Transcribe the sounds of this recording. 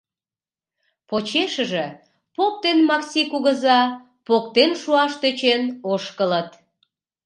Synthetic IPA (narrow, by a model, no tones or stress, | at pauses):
pot͡ɕeʃəʒĕ | pok̚t̪enmɑksikuɣəzɑ | pok̚t̪enʃuɑʃt̪øt͡ɕenoʃkələt̪